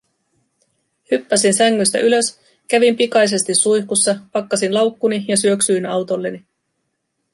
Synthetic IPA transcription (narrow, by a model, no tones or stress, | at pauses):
hypːæsinsæŋːyst̪æ̰ʔylø̞s | kæʋimpikɑjse̞st̪isːujkusːɑpɑkːɑsinlɑwkːunijɑsyø̞ksyinɑwt̪o̞lːe̞ni